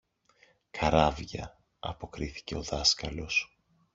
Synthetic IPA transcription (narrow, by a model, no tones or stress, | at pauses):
kʰɐɾɐvʝɐ̰ | ɐ̰po̞kɾiθi̥ce̞o̞ðɐskɐlo̞s